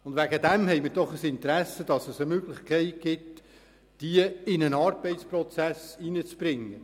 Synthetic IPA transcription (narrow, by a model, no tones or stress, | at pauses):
ʊndʋæɡəd̪ɛmhɛɪmɪɾdɔχəsɪnt̪ɾæsəd̥ɑsəsəmøɡlɪχkʰɛɪt̚ɡ̥ɪt | d̥iəɪnənɑːrbɛɪtt͡sprɔt͡sæsinət͡sb̥ɾɪŋːə